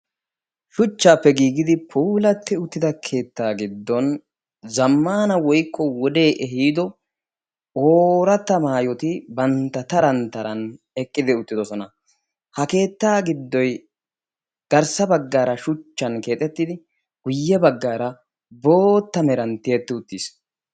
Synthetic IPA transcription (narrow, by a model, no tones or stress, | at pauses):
ʃʊt͡ʃːaːpːɛɡiːɡɪd̪ɪpʰuːlɐt̪ːɪʊt̪ːɪd̪ɐkʰe̞ːt̪ːaːɡɪd̪ːɔn | zɐmːaːnɐwɔjkːɔwɔd̪e̞ːʔɛɦiːd̪ɔ | oːɾɐt̪ːɐmaːjɔt̪ɪbɐnt̪ːɐt̪ɐɾɐnt̪ɐɾɐn | ɛkʼːɪd̪ɪʊt̪ːɪd̪ɔsɔnɐ | hɐke̞ːt̪ːaːɡɪd̪ːɔj | ɡ̥ɐɾsɐbɐɡːaːɾɐʃʊt͡ʃːɐnke̞ːt̪ʼɛt̪ːɪd̪ɪ | ɡʊjːɛbɐɡːaːɾɐ | bo̞ːt̪ːɐmɛɾɐnt̪ɪjɛt̪ːɪʊt̪ːiːs